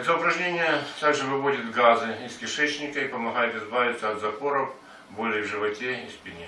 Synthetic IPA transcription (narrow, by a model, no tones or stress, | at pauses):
ɛt̪əʊpɾɐʐnʲenʲɪjət̪aɡʐɨvɨvo̞dʲɪt̪ɡazɨiskʲɪʂɛt͡ɕnʲɪkəipɐmɐɣajɪt̪ɪzbaʋʲɪt̪sɐɐt̪zɐpo̞ɾɐf | bolʲɪjvʐɨvɐtʲeispʲɪnʲi